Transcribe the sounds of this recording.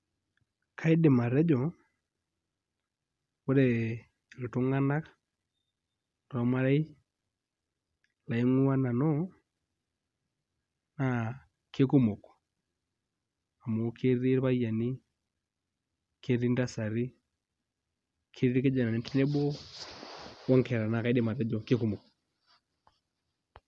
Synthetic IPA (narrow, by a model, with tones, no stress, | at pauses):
kʰa˦i˦de˨ma˨ɾɛ˦d͡ʒɔ˨ | o˦ɾe˨ | lo˨to˦ŋa˦na˦k | ɾɔ˦ma˦ɾa˦i˦ | la˨i˦ŋu˦a˦na˨nɔ˦ | na˨ | ke˦ku˦mo˨kɔ̥˨ | a˨mo˨kʰe˦ɾi˦ɾβa˦ja˨ni˦ | kʰe˦ɾi˦nda˦sa˨ɾi˦ | kʰe˦ɾi˦ɾi˦ke˦d͡ʒa˨na˨ne˨ti˦ne˦bɔ˦ | wa˦ŋkɛ˨ɾa˨na˨ka˨i˦de˦ma˨ɾa˦d͡ʒa˨ke˦ku˦˨mɔ˨kɔ˨